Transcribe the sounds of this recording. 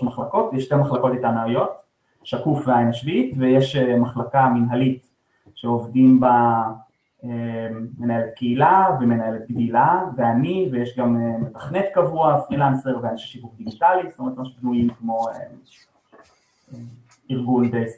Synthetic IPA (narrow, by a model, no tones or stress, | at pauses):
maχlako̞tjeʃtemaχlako̞titanaajo̞t | ʃakufveaenaʃvit̪vejeʃemaχlakaminɦalit | ʃeovdimba | eːe̞nae̞let̪̚kʰeilaveme̞naje̞let̪̚ɡdilaveanivejeʃɡamemetḁχnetkavuafʁilanse̞ʁveaniʃeʃivuχd̪iɡitalistomet̪meʃbnuimkmo̞e | e | iʁɡunbe